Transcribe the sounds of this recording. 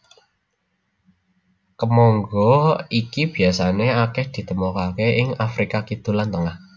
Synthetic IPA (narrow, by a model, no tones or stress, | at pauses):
kəmɔŋɡɔikib̥i̤asaneakɛhd̪̥i̤t̪əmɔkakeʔɪŋafɾikakid̪̥ṳlant̪əŋah